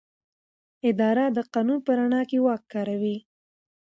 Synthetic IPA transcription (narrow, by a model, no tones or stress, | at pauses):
ɪd̪ɑɾad̪əqɑnunpəɾaɳɑkewɑkːɑɾawi